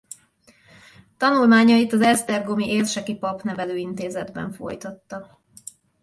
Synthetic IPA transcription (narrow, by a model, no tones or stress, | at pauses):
t̪ɒnulmaːɲɒit̪ɒzɛlst̪ɛrɡomiʔeːrʃɛkipɒpnɛvɛløːint̪eːzɛd̪bɛ̰ɱfo̞̰jt̪ɒt̪ːɒ